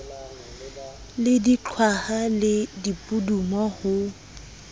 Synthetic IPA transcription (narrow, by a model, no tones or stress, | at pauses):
lɪdit͡ɬʰwahalɪdipʼudumɔhʊ